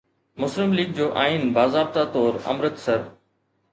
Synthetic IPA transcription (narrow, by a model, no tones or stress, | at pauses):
mʊsɾɪmliːɡ̚d͡ʑoːʔaːinbaːzaːb̚t̪at̪ɔːɾɐ̰mɾət̪sɐɾ